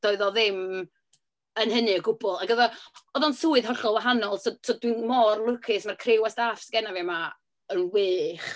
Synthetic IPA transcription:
d̥ɔɨðɔðɪm | ənhənɨəɡʊbɔlˠaɡəðɔɔðɔnsuːɨðɦɔɬɔlˠwaɦanɔlˠtɔtʰɔdwinmɔrlˠʊkʰɪsmarkʰrɪwasd̥afsɡɛnavɛma | ənwɪːχ

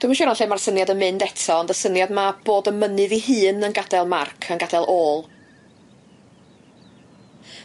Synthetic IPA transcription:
d̥umaʃɛnanɬeːmarsənjadənmɨndɛtʰɔndəsənjadmab̥oːdəmənɨðiɦɨːnənɡadɛlˠmarkʰənɡadɛlˠʔoːlˠ

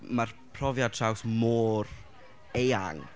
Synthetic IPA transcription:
marpʰrɔvjad̚tʰrawsmoːr | eja̰ŋ

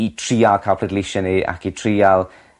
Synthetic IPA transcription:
itʰriːalˠkʰaːlˠpʰlɛdlɪʃənia̰kitʰriːalˠ

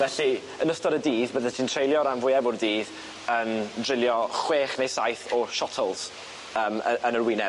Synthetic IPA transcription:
vɛɬi | ənəstɔɾədiːðbəðɛtʰiːntʰrejlˠjɔɾanvʊɨɛbʊrdiːð | əːmdrɪlˠjɔχweːχnejsajθɔʃɔtʰɔlˠs | əːmə̰ʔənərwɪnɛ

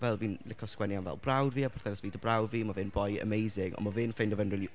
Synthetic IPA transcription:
vɛlˠviːnlɪkʰɔskwɛnjanvɛ̰lˠbrawdviːapʰarθɛɾɪsviːdəbrawdviːmavɪnbɔjə̰mejzɪŋɔ̰mavɪnfendɔvɛnriːli

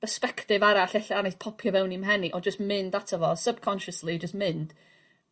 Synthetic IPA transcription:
bəspɛktɪvaɾaɬɛɬaanejθpʰɔpʰjɔvɛwnimɦɛniʔɔnd͡ʒəstmɪndatʰəvɔsəb̥̚kʰɔnʃəslid͡ʒəstmɪnd̥

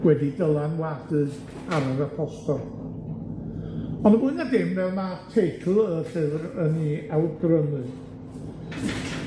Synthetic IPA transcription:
wɛdidəlˠanwadɨð | aɾəɾəpʰɔstɔlˠ | ɔnəbʊɨnadɪmvɛlˠmatʰejtʰɨəsɨðrəniawɡrənɨ

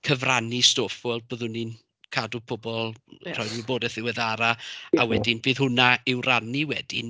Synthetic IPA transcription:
kʰəvranistofɔlˠboːðʊnin | kʰadupʰʊbɔlˠr̥ɔjðməboːdɛθɪwɛðaɾaawɛdɪnvɨːðhʊnaɪwrʔaniwɛdɪn

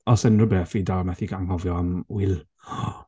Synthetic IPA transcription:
ɔsɛnrəbɛfidamɛθiɡaŋhɔvjɔamwɪl

